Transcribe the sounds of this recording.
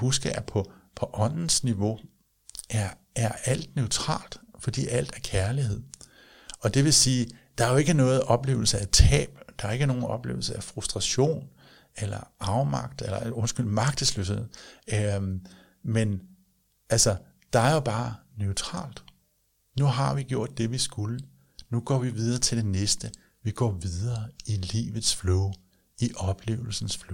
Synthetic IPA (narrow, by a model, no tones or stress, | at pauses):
husɡ̥əæpʰɒ̽pʰɒ̽ʔɒ̽n̰n̩sniʋo̝ | æɐ | æɐæl̰d̥nøʊt͡sʰʁɑ̰̈ːld̥fɒ̽d̥ḭːæl̰d̥æɐkʰæɐlihe̝ð̰ˠ | ɒ̽d̥e̝ʋe̝siːd̥ɑ̈æɐjo̝e̝ɡ̥ənɔ̽ːð̩ˠʔɒ̽b̥le̝̰ːʊl̩səæt͡sʰɛ̰ːb̥d̥ɑ̈æɐe̝ɡ̥əno̝ːn̩ɒ̽b̥le̝̰ːʊl̩səæfʁusd̥ʁɑ̈ɕo̝̰ːn | elɐɑ̈ʊmɑ̈ɡ̥̚d̥elɐo̽nsɡ̥yl̰imɑ̈ɡ̥̚d̥əsløshe̝ð̰ˠ | men | ælsɐ | d̥ɑ̈æɐjo̝b̥ɑ̈ːnøʊt͡sʰʁɑ̰̈ːld̥ | nuɦɑ̈ʋiɡjo̝ɐ̰d̥ːe̝ʋisɡ̥ulə | nuɡ̥ɒ̰ːʋiʋið̞ˠɐːt͡sʰe̝ld̥e̝nesd̥ə | ʋiɡ̥ɒ̰ːʋiðˠɐːilḭːʋð̞̩ˠsfloʊ | iʔɒ̽b̥le̝̰ːʊl̩sn̩sflo